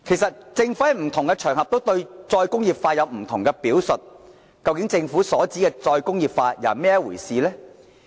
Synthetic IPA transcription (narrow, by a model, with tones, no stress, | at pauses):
kʰjsɐ˨t̚t͡sɪ˧ŋfuː˨˦˥hjm̩˨˩t̪ʰʊ˨˩ŋkɛ˧t͡ʃʰœː˨˩ŋhɦɐ˨p̚t̪o˥wt̪ɵ˧ɥt͡sɔː˧jkʊ˥ŋjiː˨p̚faː˧jɐ˨˧wm̩˨˩t̪ʰʊ˨˩ŋkɛ˧piː˨˥wsɵ˨t̚ | kɐ˧wkɪ˨˥ŋt͡sɪ˧ŋfuː˨˥sɔː˨˥t͡siː˨˥kɛː˧t͡sɔː˧jkʊ˥ŋjiː˨˩p̚faː˧ja̰ː˨˩mɛː˥wuː˨˩jsiː˨lɛː˥